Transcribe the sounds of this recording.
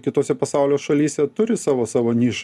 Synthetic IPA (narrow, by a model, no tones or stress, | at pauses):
kʲɪt̪oːsʲɛpɐsɑˑʊlʲoːsʃɐlʲiːsʲɛt̪ʊɾʲɪsɑːʋoːsɑːʋoːnʲiːʃ